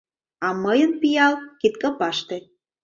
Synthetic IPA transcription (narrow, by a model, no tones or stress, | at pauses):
ɑməjə̆npijɑlkit̪kɤpɑʃt̪ĕ